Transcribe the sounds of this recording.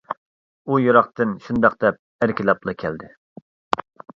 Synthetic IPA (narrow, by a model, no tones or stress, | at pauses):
ujuɾɑχt̪ɨnʃund̪ɑqd̪ɛp̚æɾkʲilɑplˠɑkʲʰɛld̪ɪ